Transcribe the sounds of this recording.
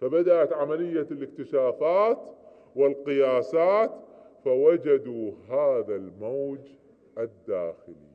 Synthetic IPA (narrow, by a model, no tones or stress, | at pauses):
fabad̪aʔat̪ʕamalɪjːalɪkt̪ɪʃaːfaːt̪ | wɪlqɪjaːsaːt̪fawad͡ʒad̪uɦaːðalmowd͡ʒ | ʔɪd̪ːaːxɪlḭ